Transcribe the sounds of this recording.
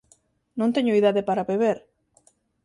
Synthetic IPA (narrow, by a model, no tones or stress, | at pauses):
nõnt̪eɲoiðaðepaɾaβeβeɾ